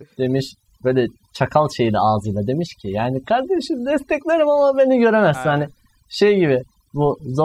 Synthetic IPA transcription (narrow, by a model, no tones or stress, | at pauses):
d̪̥e̞miʃ | b̥ø̞jlʲɛ | t͡ʃʰakʰalˠʃe̞jilʲaaːzɯjlˠad̪e̞miʃcʰɪjaːnikʰaɾd̪e̞ʃind̪ɛst̪ʰɛclʲe̞ɾimamabe̞niɟø̞ɾe̞mɛzinhanɪ | ʃejɟibɪ | buzo